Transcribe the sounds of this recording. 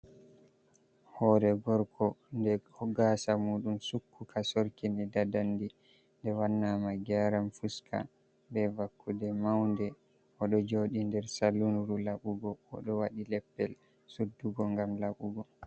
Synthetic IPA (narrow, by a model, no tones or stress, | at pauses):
hɔːɾɛɡɔɾkʰɔndɛhɔɡasamuːɗumsukʰːukasoɾkinidadandi | ndɛwanːaːmaɡaɾamfuskʰa̰ | bɛvakːudɛmawndɛ | ʔɔɗɔd͡ʒoːɗindɛɾsalːunɾulaɓuɡɔ̰ːɗɔwaɗilɛpːɛl | sudːuɡɔŋɡamlaɓuɡɔ